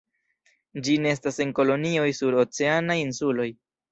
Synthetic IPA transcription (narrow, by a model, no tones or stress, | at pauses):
d͡ʒine̞es̬tase̞nko̞lo̞nio̞jsuɾo̞t͡se̞anajinsulo̞j